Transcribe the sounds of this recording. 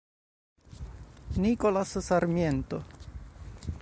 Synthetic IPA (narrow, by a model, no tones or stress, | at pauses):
nikolassaɾmjent̪o